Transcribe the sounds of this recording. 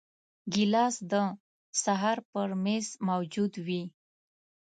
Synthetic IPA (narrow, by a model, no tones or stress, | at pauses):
ɡilɑsd̪ə | saɦaɾpəɾmezmawd͡ʒud̪wi